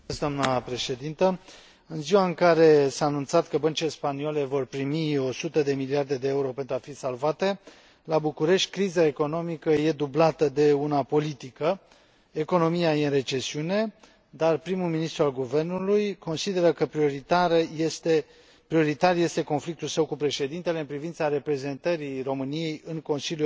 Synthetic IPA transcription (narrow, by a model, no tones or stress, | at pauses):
sd̪oamnəpɾe̞ʃe̞d̪int̪ə | ɨnziwaɨŋkaɾe̞saːnunt̪sat̪kəbənt͡ʃile̞spaniole̞vo̞rpɾimio̞sut̪əd̪e̞miliard̪e̞d̪e̞euɾo̞pe̞nt̪ɾuafisalvat̪e̞ | labukuɾe̞ʃt̪ʲkɾizae̞ko̞no̞mikəje̞d̪ublat̪əd̪e̞unapo̞lit̪ikə | e̞ko̞no̞mijajeɨnre̞t͡ʃe̞siune̞ | d̪arpɾimuminist̪ɾualɡuve̞rnulujko̞nsid̪e̞ɾəkəpɾioɾit̪aɾt̪e | pɾio̞ɾit̪aɾje̞st̪e̞ko̞nflik̚t̪ulsəwkupɾe̞ʃe̞d̪int̪e̞le̞ɨnpɾivint̪saɾe̞pɾe̞ze̞nt̪əɾiro̞mɨnije̞jɨŋko̞nsilju